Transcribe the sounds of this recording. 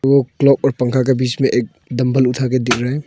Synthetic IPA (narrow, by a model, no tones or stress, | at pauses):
ɡoklɔp̚ɔɾpɐŋkʰak̬abit͡ʃmeʔek̚ | dɐmbʱəlut̪ʰaked̪ik̚ʰɾaɦe